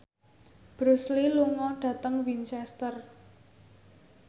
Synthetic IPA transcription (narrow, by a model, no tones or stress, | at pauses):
b̥ɾusliluŋɔɖ̥ä̤t̪əŋwint͡ʃɛst̪ər